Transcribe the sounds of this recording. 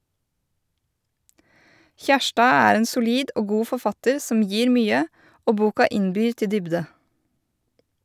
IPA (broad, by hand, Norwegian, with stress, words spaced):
ˈçæʃʈɑː ˈæːɾ ˈeːn sʊˈliːd ˈʔoː ˈɡuː fɔɾˈfɑtəɾ ˈsɔm ˈjiːɾ ˈmyːə ˈoː ˈbuːkɑ ˈɪnbyːɾ ˈtɪ ˈdʏbdə